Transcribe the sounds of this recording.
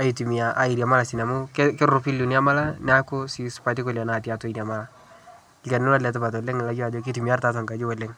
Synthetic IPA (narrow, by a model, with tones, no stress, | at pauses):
a˨˦i˨tu˨mi˨a˨ʔa˨i˨ɾja˨ma˦la˨si˨na˨mʊ˦kkɪ˦ɾʊ˨pi˦lu˨ni˦a˦ma˦la˦nɛ˦a˦kʊ˦si˨spa˨ti˦ko˨la˨na˨ti˨a˨to˦i˨n˨a˨ma˦la˦˨ | lka˨nɪ˦la˦lɛ˨t̬ɪ˦ba˨tɔ˨le˦ŋɪ˨la˨˦d͡ʒo˦a˨d͡ʒo˦k̬i˦tu˨mi˨a˦rta˦ta˨ŋka˨d͡ʒu˦wɔ˨le˦ŋ